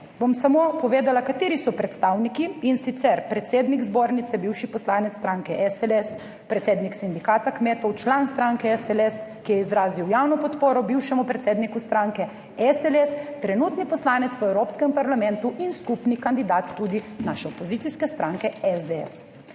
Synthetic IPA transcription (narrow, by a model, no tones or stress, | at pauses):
bomsamopɔʋeːd̪alakat̪iːɾisɔpɾɛt̪st̪awnikiinsit̪sɛɾpɾɛt̪seːd̪nikzboːɾnit̪sɛbiwʃipɔslaːnɛt̪sːt̪ɾaːŋkɛʔɛsɛlɛs | pɾɛt̪seːd̪niksind̪ikaːt̪akmeːt̪ɔwt͡ʃlanst̪ɾaŋkɛɛsɛlɛskijɛizɾaːziwjawnɔpɔt̪poːɾɔbiwʃɛmupɾɛt̪seːd̪nikust̪ɾaŋkɛ | ɛsɛlɛst̪ɾɛnut̪nipɔslaːnɛt̪sɛwɾoːpskɛmpaɾlamɛ̃nt̪uʔinskupnikand̪id̪at̪ːud̪inaʃɛɔpɔziːt̪iskɛst̪ɾʔaŋkɛɛzd̪eɛ̰s